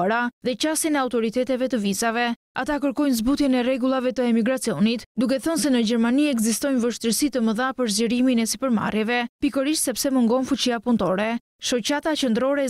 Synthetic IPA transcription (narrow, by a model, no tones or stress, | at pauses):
aɾaðɛt͡ɕasinɛawt̪ɔɾit̪ɛt̪ɛvɛt̪əvizavɛ | a̰t̪akəɾkɔjnzbut̪jɛnɛrɛɡulˠavɛt̪əɛmiɡɾat͡siɔnit̪d̪uk̬ɛθɔnsɛnəd͡ʑɛɾmaniɛɡzist̪ɔjnvəʃt̪əɾsit̪əməðapəɾzɟəɾiminɛsipəɾma̰rjɛvɛpikəɾiʃt̪sɛpsɛməŋɡɔnfut͡ɕiapunt̪ɔɾɛ | ʃɔt͡ɕat̪at͡ɕənd̪əɾɔɾɛ